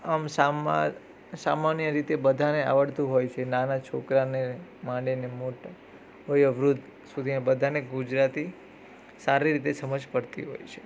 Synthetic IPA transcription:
əmsam̰ | samanjəɾit̪ebəd̪ʱanea̰ʋəɽt̪ũɦojt͡ʃʰenanat͡ʃʰokɾanemãɖenemoʈ | ojəʋɾud̪ʱ | sud̪ʱinebəd̪ʱaneɡud͡ʒɾat̪i | saɾiɾit̪esəməd͡ʒʱpəɽt̪ḭɦo̰jt͡ʃʰe̥

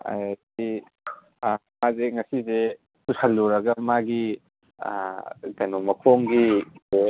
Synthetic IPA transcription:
a̰di | mazeŋɐsize | susɐlːuɾɐɡɐmaɡḭ | ɡɐnomɐkʰoŋɡio

